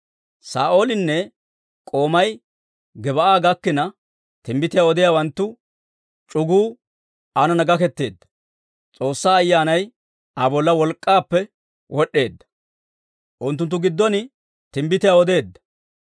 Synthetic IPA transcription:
sa̰ːʔo̞ːlɪnːɛ | kʼo̞ːmɐj | ɡɛbɐʔaːɡɐkːɪnɐ | t̪ɪmbɪt̪ɪjaːɔd̪ɪjaːwɐnt̪ːʊ | t͡ʃʼʊɡuː | ɐnɐnɐɡɐkɛt̪ːe̞ːd̪ːɐ̥ | t͡sʼo̞ːsːaːɐjːaːnɐj | ʔɐbɔlːɐwɔlkʼːaːpːɛ | wʔɔɗːe̞ːd̪ːɐ̥ | ʔʊnt̪ːʊnt̪̬ːʊɡɪd̪ːɔnɪ | t̪ɪmbɪt̪ɪjaɔd̪e̞ːd̪ːɐ̥

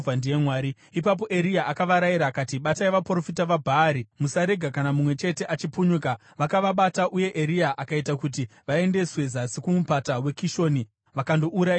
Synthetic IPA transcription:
andije̞mwaːɾi | ipap̬o̞ʔe̞ɾiaʔakaʋaɾajiɾaːkatiɓataeʋapro̞fitaʋabʱaːɾimusaɾe̞ɡʱakanamumwe̞t͡ʃe̞te̞ʔat͡ʃipuɲuka | ʋakaʋaɓataʔuje̞ʔeɾiaʔakaitakut̬iʋae̞nde̞swe̞zasikumupatawe̞kiʃo̞ːni | ʋakandoʔuɾai

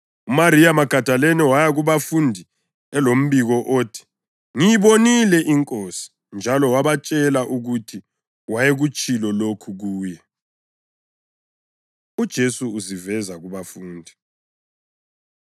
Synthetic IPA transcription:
umaɾiamaɡ̥ʱad̥ʱalɛnɛwajaɣuβafundʱi | ɛlom̩βiɣɔʔoːtʰi̥ | ŋijiβonilɛʔiŋkʼosi̥ | nd͡ʒʱalɔwaβat͡ʃʼɛlaʔuɣutʰi | wajeɣut͡ʃʼilɔlokʰuɣuːjɛ | ud̥ʒ̥ʱesuːzivɛzaɣuβafuːndʱi

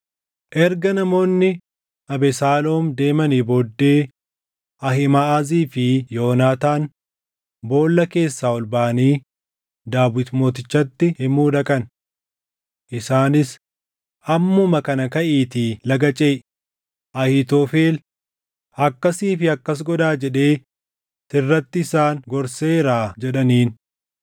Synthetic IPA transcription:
ʔɛɾɡɐnɐmo̞ːnːɪ | ʔɐbɛsaːloːmd̪e̞ːmɐniboːd̪ːe̞ː | ʔɐhɪmɐʔaːziːfɪjo̞ːnaːt̪aːn | bo̞ːlːɐke̞ːsːaːɔlbaːɐniː | d̪aːbɪt̪mo̞ːt̪ɪt͡ʃːɐt̪ːɪhɪmuːᶑ̪ɐkʼɐn | ʔɪsaːnɪs | ʔɐmːʊmɐkɐnɐkɐʔiːt̪iːlɐɡɐt͡ʃʼe̞ː | ʔɐhɪt̪oːfe̞ːl | ɐkːɐsiːfɪɐkːɐs̬ɡɔd̪aːd͡ʒɛᶑe̞ː | t̪ɪrːɐt̪ːɪɪsaːnɡɔɾse̞ːɾaːd͡ʒɛᶑɐniːn

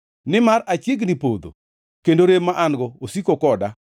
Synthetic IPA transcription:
nɪmaɾat͡ʃɪɡnɪpod̪o̰ | kendoɾemːaʔanɡɔosikokɔda

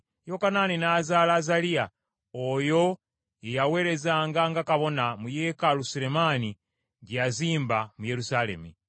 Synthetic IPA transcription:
jokanaːninaːzaːlazalia | oːjo̞ | ejawe̞ːɾe̞zaːŋɡaŋɡakaβo̞namujeːkalusiɾe̞maːni | ɟjaziːmbamuje̞ɾusale̞̰mṵ

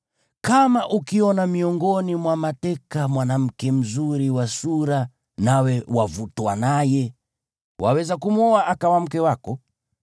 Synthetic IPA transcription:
kamaʔukiɔnamiɔŋɡɔnimwamatɛkamwanam̩kɛm̩zuɾiwasuɾa | nawɛwavutwanajɛ | wa̰wɛzakumuɔaʔakawam̩kɛwakɔ

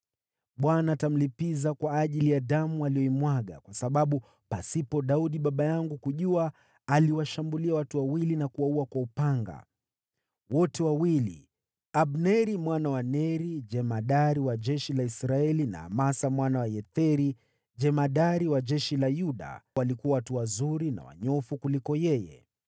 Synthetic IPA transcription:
ɓwanaːtam̩lipizakwaːʄilijadamualijɔimwaɠa̰kwasaɓaɓu | pasipɔɗauɗiɓaɓajaŋɡukuʄuaː | liwaʃambuliawatuwawilinakuwauakwaupaŋɡa̰ | wɔtɛwawilḭ | abnɛɾimwanawanɛɾid͡ʒɛmaɗaɾiwaʄɛʃilaisɾaɛlina̰ːmasamwanawajɛt̪ɛɾi | d͡ʒɛmaɗaɾiwad͡ʒɛʃilajuɗa̰walikuawatuwazuɾina̰wa̰ɲɔfukulikɔjɛjɛ̰

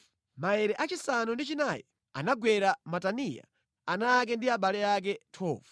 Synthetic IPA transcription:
maɛɾɛʔat͡ʃisanundit͡ʃinajɔ | a̰naɡwɛɾamatanija̰ | anak̬ɛndiaɓalɛak̬ɛtʰɔːvu

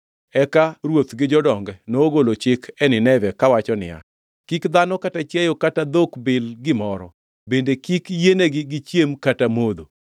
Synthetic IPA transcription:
ɛkaɾwot̪ɡɪd͡ʒɔdɔŋɡɛnooɡolot͡ʃɪkʰɛnɪnɛvɛkawat͡ʃɔnɪ̰a̰ | kikd̪anɔkatat͡ʃjɛjɔkatad̪okbɪlɡɪmɔɾɔ̰ | bendekikjeneɡɪɡɪt͡ʃjemkatamod̪o

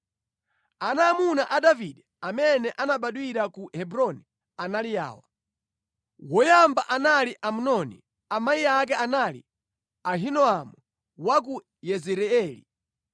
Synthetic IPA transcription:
anamunaʔadaviɗɛ | amɛnɛʔanaɓaɗwiɾakuhɛbuɾɔni | analija̰ːwa | wɔjambaʔanaliʔamunɔnḭ | amaiak̬ɛanalḭ | aɦinɔamu | wak̬u | jɛzɛɾɛɛːlḭ

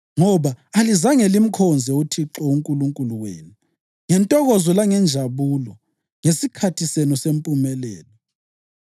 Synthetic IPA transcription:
ŋɔβaːlizaŋelim̩kʰɔnd͡zʱɛutʰiǁɔuŋkʼuluŋkʼuluwḛːnu | ŋɛntʼɔɣɔzɔlaŋɛnd͡ʒʱaβuːlɔ | ŋesikʰatʰisenusempʼumɛlɛ̰ːlɔ

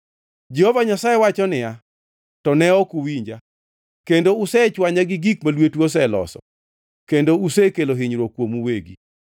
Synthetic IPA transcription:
d͡ʒehovaɲasaewat͡ʃɔnɪja | tɔnɛɔkuwiɲd͡ʒa | kendoʊsɛt͡ʃwaɲaɡɪɡikmalwetwos̬ɛlɔ̰sɔ̰ | kendousekeloɦɪɲɾokwomuweɡḭ

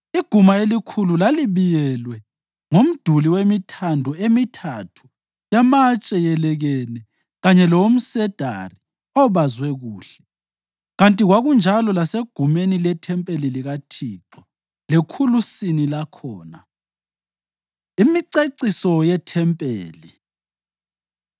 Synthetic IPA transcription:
iɡ̥ʱumaelikʰululaliβijɛlwɛ | ŋom̩d̥ʱuliwemitʰandʱɔemitʰatʰu̥ | jamat͡ʃʼɛjɛlɛɣɛnɛ | ɣaɲɛlɔwom̩sɛd̥ʱa̰ri | ɔβazwɛɣuːɬɛ̥ | ɣantʼiɣwaɣund͡ʒʱalɔlaseɡ̥ʱumenilɛtʰɛmpʼeliliɣatʰiːǁɔ | lekʰulusinilakʰɔːna | imiǀeǀisɔjɛtʰɛmpʼḛːli

